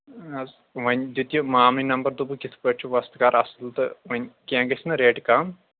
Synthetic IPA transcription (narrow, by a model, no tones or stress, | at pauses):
ɐz | ʋɐɲʲd̪ut̪jumaːmlinɐmbɐɾd̪ubukit̪ʰpɐt͡ʃʰuʋɐst̪kaːɾɐsɐlt̪ɨʋɐɲʲkãːŋɡɐsʰʲnɨɾeːʈkaːm